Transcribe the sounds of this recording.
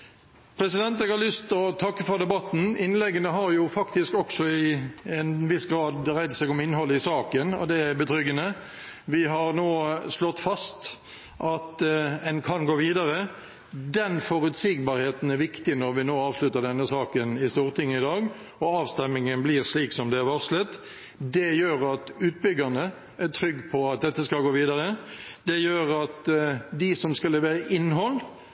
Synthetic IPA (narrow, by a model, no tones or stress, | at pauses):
pʰɾɛsɪd̪ɛnt̪ɛːɡhɑːʁlʏst̪ɔt̪ʰɑkːəfɔɾd̪ɛbɑt̪n̩ɪnlɛɡənəɦɑʁjʊfɑkt̪ɪskɔksɔɪɛnʋɪsɡɾɑːd̪ʁæɪd̪sɛːɡɔmɪnːəɦɔlːəɪsɑːkənɔ̰d̪ɛæbət̪ʰɾʏɡənə | ʋɪɦɑɾnoːslɔt̪ːfɑst̪ | ʔɑt̪ɛnkʰɑnɡoːʋiːd̪ɑʁə | d̪ɛnfɔɾʉt̪siːɡ̚bɑːɾheːt̪n̩æɾʋɪkt̪ɪnɔɾʋɪnoːɑːʋslʉt̪əɖ̪ɛnːəsɑːkənɪst̪uːʁt̪ʰɪŋːəɪd̪ɑːɡ | ɔɑːʋst̪ɛmːɪŋənblɪʁsliːksɔmd̪ɛæɾʋɔʁslət̪ | d̪ɛjøːɾɑt̪ʉːt̪̚bʏɡənə | æt̪ʰɾʏɡːpʰɔɑt̪̚d̪ɛt̪ːəskɑlɡoːʋiːd̪ɑʁəd̪ɛjøːɾɑt̪d̪ɪsɔmskɑlɛʋeːɾəʔɪnːɦɔl